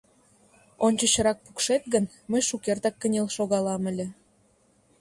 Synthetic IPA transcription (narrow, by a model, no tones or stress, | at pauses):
onʲt͡ɕə̆t͡ɕə̆ɾɑk̚pukʃet̪ɣən | məjʃukert̪ɑkːənʲelʃoɣɑlɑmə̆lʲĕ